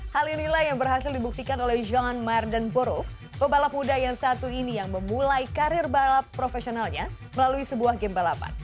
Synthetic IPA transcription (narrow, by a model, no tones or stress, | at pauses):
halinilajaŋbərɦasɪldibuk̚t̪ikanolɛhd͡ʒɔnmardanpəɾuf | pəbalap̚mudajaŋsat̪uinijaŋməmulajikaɾɪrbalapːɾofesionalɲa | məlaluisəbuahɡɛmbalapa̰n